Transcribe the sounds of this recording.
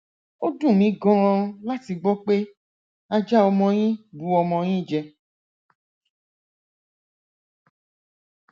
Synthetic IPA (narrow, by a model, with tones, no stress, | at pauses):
o˦dũ˦˨mĩ˨˦ɡɔ̃˦ɾ̃ɔ̃˧la˦ti˧ɡ͡bɔ˦k͡pe˦ | a˧d͡ʒa˦ɔ˧mɔ̃˧jĩ˦bu˨˦ɔ˧mɔ̃˧jĩ˦˨d͡ʒɛ˧